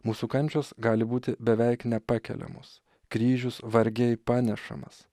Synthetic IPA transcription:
muːsukɐnʲt͡ʃʲoːsɡɑːlʲɪbuːt̪ʲɪbʲɛʋʲɛɪknʲɛpɑːkʲɛ̰lʲɛ̰mo̰ːs | kɾʲiːʒʲʊsʋɐɾʲɡʲɛɪpɑːnʲɛʃɐ̰mɐ̰s

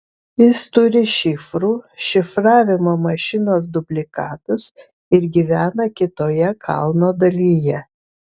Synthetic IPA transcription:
jɪst̪ʊɾʲɪʃʲɪfɾuːʃʲɪfɾɑːʋʲɪmomɐʃʲɪnoːsd̪ʊbʲlʲɪkɑːt̪ʊs | ɪɾɡʲiʋʲæːnɐkʲɪt̪oːjɛkʰɑ̰lˠnoːd̪ɐlʲiːjɛ

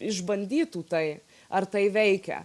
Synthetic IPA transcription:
ɪʒbɐnʲd̪ʲiːt̪uːt̪ɐɪ | ɐrt̪ɐɪʋʲɛɪkʲɛ̰

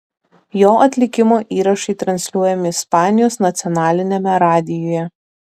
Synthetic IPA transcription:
joːʔɐt̪ʲlʲɪkʲɪmoːʔiːɾɐʃɐɪt̪ɾɐnʲsʲlʲuɔjɛmʲɪɪspɑːnʲɪjoːsnɐt̪sʲɪɔnɑːlʲɪnʲemʲɛɾɑːd̪ʲɪjoːjɛ

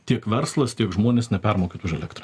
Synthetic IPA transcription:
t̪ʲiɛkʋʲɛɾslˠɐst̪ʲiɛkʒmoːnʲeːsnʲɛpʲɛɾmoːkʲet̪ʊʒɛlʲɛkt̪ɾɐ

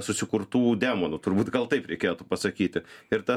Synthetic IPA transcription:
sʊsʲɪkʊɾt̪uːd̪ʲæːmonʊt̪ʊɾbuːt̪ɡɐlˠt̪ɐɪpɾʲɛɪkʲeːt̪upɐsɐkʲiːt̪ʲɪɪɾt̪ɐ

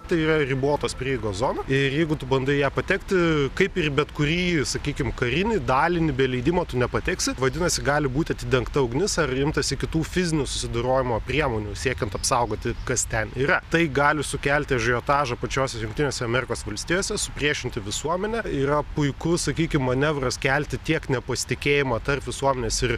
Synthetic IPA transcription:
t̪ɐɪiːrɐrʲɪboːt̪oːspʲɾʲiɛjɛɪɡoːszoːnɐɪrjɛɪɡʊt̪ʊbɐnd̪ʊjæːpɐt̪ʲɛkt̪ʲɪkɐɪpɪrbʲɛt̪kʊɾʲiːsɐkʲiːkʲɪmkɐɾʲɪnʲɪd̪ɑːlʲɪnʲɪbʲɛlʲɛɪd̪ʲɪmoːt̪ʊnʲɛpɐt̪ʲɛksʲɪʋɐd̪ʲɪnɐsʲɪɡɑːlʲɪbuːt̪ʲɪɐt̪ʲɪd̪ʲɛŋkt̪ɐɐʊɡnʲɪsɐrɪmt̪ɐsʲɪkʲɪt̪uːfʲɪzʲɪnʲʊsʊ̥sʲɪd̪ɐɾoːjɪmoːpʲrʲiɛmoːnʲusʲiɛkʲɛnt̪ɐpsɐʊɡoːt̪ʲɪkɐst̪ʲɛniːɾɐt̪ɐɪɡɑːlʲɪsʊkʲælʲt̪ʲɪɐʒʲɛjoːt̪ɑːʒɐpɐt͡ʃʲoːsʲɛsjʊŋkt̪ʲɪnʲoːsʲɛɐmʲɛɾʲɪkoːsʋɐlʲsʲt̪ʲiːjoːsʲɛsʊpʲrʲiɛʃʲɪnʲt̪ʲɪʋʲɪsuɔmʲɛnʲɛiːɾɐpʊɪkʊsɐkʲiːkʲɪmːɐnʲɛʋrɐskʲælʲt̪ʲɪt̪ʲiɛknʲɛpɐsʲɪ̥t̪ʲɪkʲeːjɪmɐt̪ɐrpʋʲɪsuɔmʲɛnʲeɛːsɪr

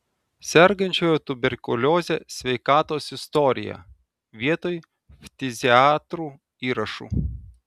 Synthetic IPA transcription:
sʲɛɾɡɐnʲt͡ʃʲoːjot̪ʊbʲɛɾʲkʊlʲoːzʲesʲʋʲɛɪkɑːt̪oːsɪst̪ɔɾʲɪ̰jæ̰ | ʋʲiɛt̪oːj | fʲt̪ʲɪzʲɪɑːt̪ɾuː | iːɾɐʃṵː

